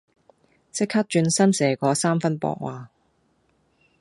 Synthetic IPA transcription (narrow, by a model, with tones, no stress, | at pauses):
sɪ˥kha˥t̚t͡ʃyː˧nsɐ˥msɛː˨˩kɔː˨˧saː˥mfɐ˥npɔ̰ː˧k̚waː˨˧